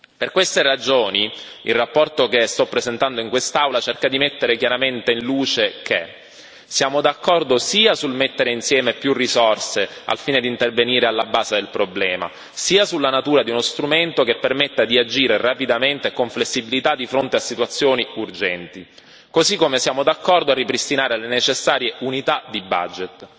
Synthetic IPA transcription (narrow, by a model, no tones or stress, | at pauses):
perkwest̪erad͡ʒoːni | ilrapːɔrt̪okest̪ɔpːɾezent̪and̪oiŋkwest̪awlat͡ʃerkad̪imet̪ːeɾekjaɾament̪einluːt͡ʃeke | sjaːmod̪akːɔrd̪osiːasulmet̪ːeɾeinsjɛːmepjurːizɔrsea̰lfiːned̪int̪erveniːɾealːabaːzed̪elpɾoblɛːma̰ | siːasulːanat̪uːɾad̪iunost̪ɾument̪okepːermet̪ːad̪iad͡ʒiːɾerapid̪ament̪ekoɱflesːibilit̪ad̪ːifɾont̪easːit̪wat̪sːjoːniurd͡ʒɛnt̪i | kozikːomesjaːmod̪akːɔrd̪oarːipɾist̪inaːɾelenet͡ʃesːaːɾjeʔunit̪ad̪iba̰d͡ʒet̪